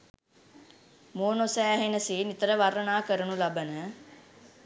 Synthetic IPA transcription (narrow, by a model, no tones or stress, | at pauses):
moːnosæːɦenəsiːnit̪əɾəʋaɾənaːkəɾənulabənə